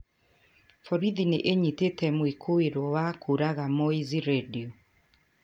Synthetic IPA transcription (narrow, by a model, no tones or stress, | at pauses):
fɔɾiðineʔeɲitetɛmwekʰoeɾwɔwakuɾaɣamɔiziɾɛdiɔ